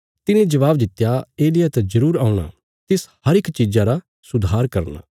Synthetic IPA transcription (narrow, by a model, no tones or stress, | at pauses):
t̪ɪnẽd͡ʒɐʋaːbd̪ɪt̪ːjaeːlɪjat̪ɐd͡ʒɐɾuːɾaːũɽ̃a̰ː | t̪ɪshɐɾɪkt͡ʃiːzãɾa | sʊd̪ʱaːɾkɐɾna̰ː